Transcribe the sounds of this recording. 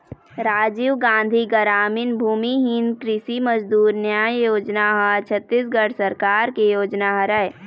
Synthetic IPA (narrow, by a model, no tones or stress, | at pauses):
ɾaːd͡ʒiʋɡãːnd̪ʱiɡəɾaːmɪnbʱuːmiɦɪnkɾɪsimɐd͡ʒd̪uːɾnjaːjoːd͡ʒnaɦɐt͡ʃʰət̪ːisɡəɽsɐɾkaːɾkejoːd͡ʒnaɦɐɾəe